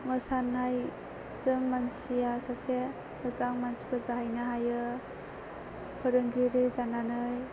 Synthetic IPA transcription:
məsanːaj | z̥ɯŋmansijasase | ɯzaŋmansibɯzaɦajnaɦajɯ | pʰɯɾɯŋɡiɾizananɯj

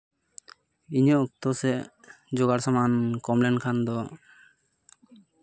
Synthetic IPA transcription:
iɲəʔuk̚t̪ɔsɛ | d͡ʒoɡaɽsamankɔmlɛnkʰand̪ɔ

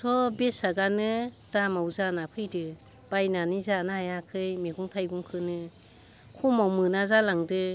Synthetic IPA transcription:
sʰɔbesaɡanɯd̥amawzanapʰɯjdɯ | b̥ajnanizanahajakʰɯjmeɡuŋtʰajɡuŋkʰɯnɯ | kʰumawmɯnazalaŋdɯ

